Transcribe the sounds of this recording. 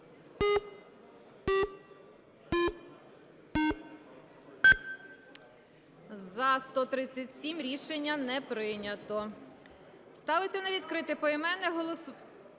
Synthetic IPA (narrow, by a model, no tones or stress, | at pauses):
zɐst̪ɔt̪ɾɪt͡sʲːɐtʲsʲimɾʲiʃenʲːɐnɛpɾɪnʲɐt̪ɔ | st̪ɑʋɪt͡sʲːɐnɐʋʲid̪kɾɪt̪ɪpɔimɛnɛɦɔlˠɔs